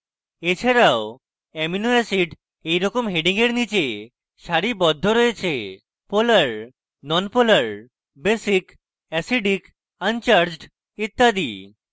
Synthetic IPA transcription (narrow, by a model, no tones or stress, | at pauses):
et͡ɕʰaɾao | ɛminoɛsiɖ | ejɾɔkomɦeɖiŋeɾnit͡ɕe | ʃaɾibɔd̪ʱːoɾojet͡ɕʰe | poləɾ | nɔnpoləɾ | besik | ɛsiɖik | ant͡ɕaɾd͡ʑɖ | it̪ːad̪ḭ